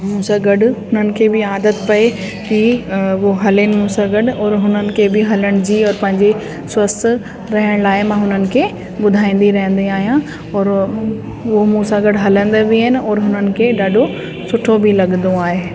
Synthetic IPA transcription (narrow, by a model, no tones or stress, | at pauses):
mũːsãɡɐɖʊɦʊnənɪ̆kʰeːbɪaːd̪ət̪pɐe | kiʋoɦɐlɪnɪmũːsãɡɐɖɔːɾɦʊnənɪ̆kʰebɪɦɐləɽ̃d͡ʑiːɔːɾpɐ̃ɦɪ̃ɲd͡ʑe | swɐst̪ | ɾɐɦɪəɽ̃laːɪmãːɦʊnənɪ̆kʰeː | ɓʊd̪ʱaːĩːn̆d̪iɾɐɦə̃n̆d̪iaːɦijã | ɔːɾ | ʊɦomũːsãɡɐɖɦɐlə̃nd̪ebiɪnɪ̆ɔːɾɦʊnənɪ̆kʰeɗaːɖʱo | sʊʈʰobʱɪlɐɠnd̪õaːɦeː